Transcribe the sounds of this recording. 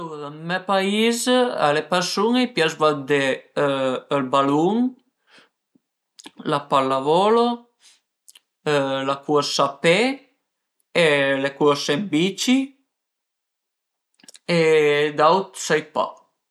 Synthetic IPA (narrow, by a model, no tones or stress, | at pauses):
owdamɛpaiza̰lepɛɾsuŋejpjazvad̪e | əlbaluŋ | lapalːavɔlo | lakuəɾsape | elekuɾsembit͡ʃi | ed̪awt̪sajpa̰